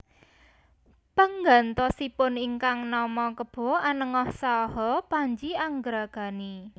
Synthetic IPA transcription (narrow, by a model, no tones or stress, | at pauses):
pəŋɡant̪ɔsipʊniŋkaŋnɔmɔkəb̥ɔ̤anəŋɔhsaɦɔpaɲd͡ʒiaŋɡɾaɡ̥a̤ni